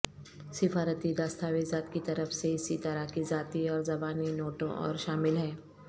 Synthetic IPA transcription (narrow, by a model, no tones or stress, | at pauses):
sɪfaːɾət̪id̪aːst̪ʰaːʋezaːt̪kit̪ɐɾəfseɪsit̪ɐɾəɦkizaːt̪iɔːɾzɐbaːninoːʈõʔɔ̰ːɾʃaːmɪlɦɛ̃ː